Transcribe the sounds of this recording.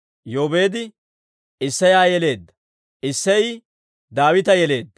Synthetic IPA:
joːbe̞ːd̪ɪ | ɪsːɐjaːjɛle̞ːd̪ːɐ | ɪsːɐj | d̪aːwɪt̪ɐjɛle̞ːd̪ːɐ

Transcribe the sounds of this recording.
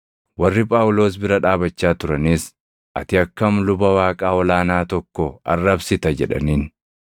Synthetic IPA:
wɐrːɪpʼaːʊlo̞ːs̬bɪɾɐᶑaːbɐt͡ʃːaːt̪ʊɾɐniːs | ʔɐ̰t̪ɪɐkːɐmlʊbɐwaːkʼaːɔlaːnaːt̪ɔkːɔɐ̰rːɐbsɪt̪ɐd͡ʒɛᶑɐ̰niːn

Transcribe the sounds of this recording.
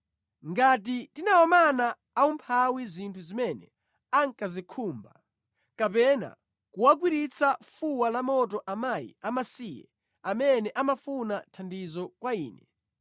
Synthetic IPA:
ŋɡatitinaɔmanaː | umpʰawizintʰuzimɛnɛ̰ | aŋkazikʰuːmba | kapɛna̰ | kuwak̬wiɾit͡sʰafuwalamɔt̬ɔʔamajḭamasiːjɛ̰ | amɛnɛʔamafunatʰandizɔkwaiːnɛ

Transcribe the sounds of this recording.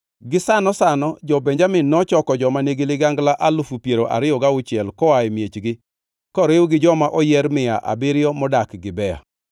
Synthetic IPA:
ɡɪsanɔsanɔd͡ʒɔbeɲd͡ʒamɪnːɔt͡ʃɔkɔd͡ʒɔmaneɡelɪɡaŋɡlaʔalufupjeɾoʔa̰ɾɪɔɡaʊt͡ʃɪɛlkɔaemjet͡ʃɡɪ | kɔɾewuɡɪd͡ʒɔmaʔɔjɛɾmɪa̰ʔa̰bɪɾɪjɔmɔdakɡɪbɛja̰

